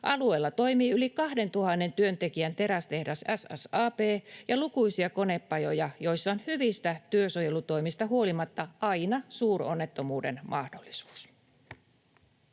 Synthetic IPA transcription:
ʔɑlue̞ːlːɑt̪o̞jmiːylikɑhde̞nt̪uhɑnːe̞nt̪yø̞nt̪e̞kiænt̪e̞ɾæst̪e̞hdæsæsæ̰sɑːpeːjɑlukujsiɑko̞ne̞pːɑjo̞jɑjo̞jsːɑonhyʋist̪æt̪yøsoje̞lut̪o̞jmist̪ɑɦuo̞limɑt̪ːɑɑjnɑsuːro̞nːe̞t̪ːo̞muːde̞̰nmʔɑhdo̞lːisu̥ːs

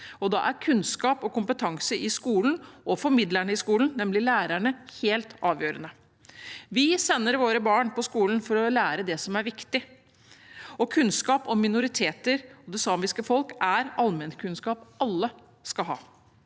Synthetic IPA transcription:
ɔd̪ɑ̰ʔæɾkʰʉnskɑːpɔkʊmpət̪ʰɑŋsəʔɪskuːln̩ɔfɔɾmɪd̪læɳəɪskuːlnnːɛmlɪlæːɾæɳəheːlt̪ɑːʋjøːɾənə | ʋɪsɛnːəɾʋoːɾəbɑːɳpʰɔskuːlənfɔɾɔlæːɾəd̪ɛsɔmæɾʋɪkt̪ɪ | ɔkʰʉnskɑːpɔmːɪnʊɾɪt̪ʰeːt̪əɾɔd̪ɛsɑːmɪskəfɔlkæɾɑlmɛnkʰʉnskɑːpɑlːə | skɑlɦɑ̰ː

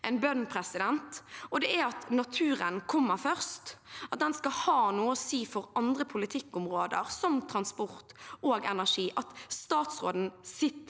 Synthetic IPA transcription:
ɛnbœnpʰɾɛsɪd̪ɛnt̪ɔd̪ɛæɾɑt̪nɑt̪ʰʉːɾənkʰɔmːəɾfœʁst̪ɑt̪̚d̪ɛnskɑhɑːnuːəɔsiːfɔɾɑnd̪ʁəpʰʊlɪt̪ʰɪkːʊmʁoːd̪ə̰ʁsɔmt̪ʰɾɑnspʊʁt̪oːɡɛnæʂiːʔɑt̪st̪ɑːt̪sʁoːd̪n̩sɪt̪ː

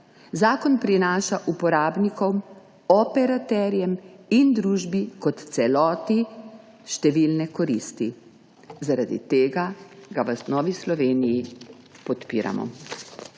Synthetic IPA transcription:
zaːkɔnpɾinaːʃaʔupɔɾaːbnikɔw | ɔpɛɾat̪ɛːɾjɛmind̪ɾuːʒbikɔt̪t̪sɛlɔːt̪i | ʃt̪ɛʋiːlnɛkɔɾiːst̪i | zaɾad̪ḭt̪eːɡaɡaʋəsnɔːʋislɔʋeːniji | pɔt̪pḭːɾa̰mɔ̰

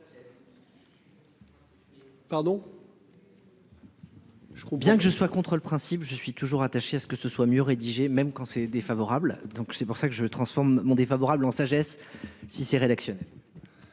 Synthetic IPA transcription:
paʁd̪ɔ̃ | ʒəkbjɛ̃kəʒəswakɔ̃t̪χələpχɛ̃sipʒəsɥit̪uʒuʁat̪aʃeasə̥kəsəswamjøʁed̪iʒemɛmkɑ̃sɛd̪efavɔʁabld̪ɔ̃ksɛpuʁsakəʒət̪χɑ̃sfɔʁmːɔ̃d̪efavɔʁablɑ̃saʒɛsːisɛʁed̪aksjɔnɛl

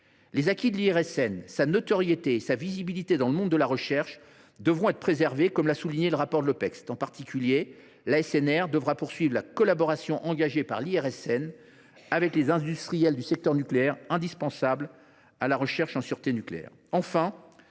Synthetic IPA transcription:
lezakʲid̪əliɛʁɛsɛnsanɔt̪ɔʁjet̪eːsavizibilit̪ed̪ɑ̃ləmɔ̃d̪ːəlaʁəʃɛʁʃ | d̪əvʁɔ̃ɛt̪χpχezɛʁvekɔmlasuliɲeləʁapɔʁd̪əlɔpɛkst̪ɑ̃paʁt̪ʰikʲylje | laɛsɛnɛʁd̪əvʁapuʁsɥivʁlakɔlabɔʁasjɔ̃ʔɑ̃ɡaʒepaʁliɛʁɛsɛn | avɛklezɛ̃d̪yst̪χijɛld̪ysɛk̚t̪œʁnykleɛʁɛ̃d̪ispɑ̃sabl | alaʁəʃɛʁʃɑ̃syʁt̪enykleɛ̰ːʁ | ɑ̃fɛ̃

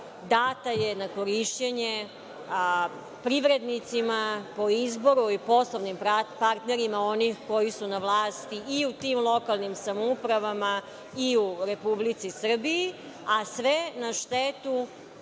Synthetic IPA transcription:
d̪aːt̪ajenako̞ɾiʃt͡ɕeɲe | pɾiʋɾed̪nit̪simapo̞izbo̞ɾuipo̞slˠoʋnimpaɾt̪neɾimao̞nixko̞jisunaʋlaːst̪iːut̪imlˠo̞kalˠnimsamoupɾaʋama | iuɾepublit̪sisr̩biji | asʋenaʃt̪et̪u

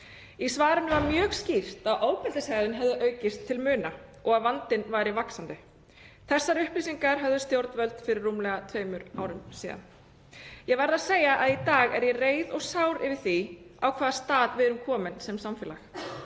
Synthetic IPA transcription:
isvaːɾʏnʏvaɾmjœːɣscir̥t̪aðʔoːwpʰɛlt̪ɪshɛɾðɪnɦɛvðʏʔœːɥcɪst̪ʰːɪlmʏːnaɔɣaðvant̪ɪnvaːjɾɪvaksant̪ʏ | θɛsːaɾʏhplis̬iŋkaɾ̥ɦœvðʏst̪jowɾt̪nvœlt̪fɪɾɪrːumlɛɣat̪ʰvœːɥmʏɾaːwɾʏmsiːða̰n | jɛɣvajɾðaðseːjaʔaðit̪aːɣɛɾjɛreːjðɔɣsawɾɪvɪ̥θia̰wkʰvaːðast̪aːðvɪðɾʏmkʰɔːmɪnsɛmsamfɛːla̰x

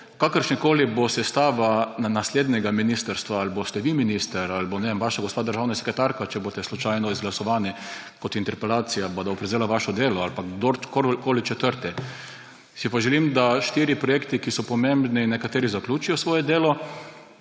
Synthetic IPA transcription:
kakəɾʃnikoːlibosɛst̪aːʋanasleːd̪nʲɛɡaminist̪əɾst̪ʋaalbost̪ɛʋiminist̪əɾalbonɛemʋaʃaɡost̪paːd̪əɾʒaːwnasɛ̥kɾɛt̪aɾkat͡ʃɛbot̪ɛslɔt͡ʃajnɔizɡlasɔʋaːni | kɔt̪int̪ɛɾpɛlaːt̪sijabad̪aɔpɾɛzeːlaʋaʃɔd̪eːlɔalpakd̪okoɾkoːlit͡ʃɛt̪əɾt̪ɛ | sipaʒɛlimd̪aʃt̪iɾjipɾɔjeːkt̪ikisɔpɔmẽmbninːɛkat̪eːɾizaklʲuːt͡ʃijɔsʋoːjɛd̪eːlɔ

